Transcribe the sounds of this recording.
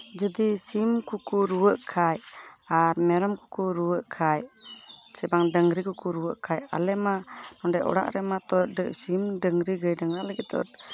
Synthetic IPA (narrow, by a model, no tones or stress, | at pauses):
d͡ʒəd̪isimkukuɾuwəʔkʰaj | aɾmɛɾɔmku̥kuɾuwəʔkʰaj | sɛbaŋɖəŋɾikukuɾuwəʔkʰaja̰lɛmanɔɖɛʔɔ̰ɽa̰ʔɾɛmat̪ɔɖəʔsimɖəŋɾiɡəjɖəŋɾaʔləɡɛt̪ɔ̰t̪